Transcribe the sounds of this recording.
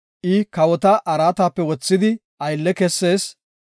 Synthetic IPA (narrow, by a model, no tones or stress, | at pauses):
ʔɪkɐwɔt̪ɐʔɐɾaːt̪aːpːɛwɔt͡sːɪd̪ɪ | ʔɐjlːɛkɛsːe̞ːs